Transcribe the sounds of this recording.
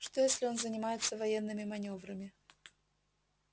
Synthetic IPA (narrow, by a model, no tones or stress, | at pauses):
ʂt̪ojesʲlʲɪo̞nzənʲɪmajɪt̪səvɐjenːɨmʲɪmɐnʲo̞vɾəmʲɪ